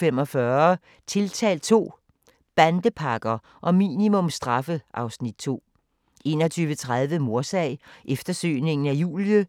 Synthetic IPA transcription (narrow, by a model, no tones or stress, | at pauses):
femɒ̽fɶɐ | t͡sʰe̝lt͡sʰɛ̰ːl̚t͡sʰo̝̰ː | b̥ænd̥əpʰɑ̈ɡ̥ɐ | ʔɒ̽mḭːnimɔ̽msd̥ʁɑ̈fəʔɑ̈ʊsnid̥̚t͡sʰo̝̰ː | ʔe̝̰ːnɒ̽t͡sʰyːʋət͡sʰʁað̞ˠʋəmo̝ɐsɛɪʔefd̥ɐsø̰ːne̝ŋn̩æjṵːljə